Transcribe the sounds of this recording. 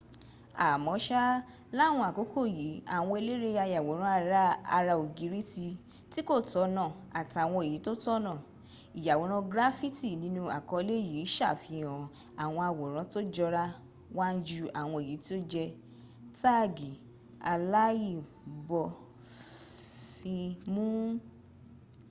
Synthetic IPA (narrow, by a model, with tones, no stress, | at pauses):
a˨mɔ̃˨˦ʃa˦ | la˦˨w̃ɔ̃˧a˨ko˨˦kʰo˦˨ji˨˦a̰˨w̃ɔ̃˧e˧le˦ɾe˧a˧ja˨wo˨˦ɾ̃ã˦a˦˧ɾa˦a˧ɾa˧o˨ɡi˨˦ɾi˦ti˧ | ti˦ko˦˨tɔ˨˧˦nã˦˨ | a˨ta˨w̃ɔ̃˧e˨ji˨˦to˦tɔ˦nã˦˨ | i˨ja˨wo˨˦ɾ̃ã˧ɡɾa˦fi˦ti˦˨nĩ˨˦nũ˧a̰˨kɔ˧˦˧le˦ji˨˦ʃa˦˨fi˧ɔ̃˨ | a˨w̃ɔ̃˧a˧wɔ˨ɾ̃ã˨˦to˦d͡ʒɔ˧ɾa˦ | wa˦n̩˦d͡ʒu˧a˨w̃ɔ̃˧e˨ji˨˦ti˦o˦d͡ʒɛ˧ | ta˦˨ɡi˨ | a˧la˦ji˦˨ | bɔ˧ | fĩ˧mũ˦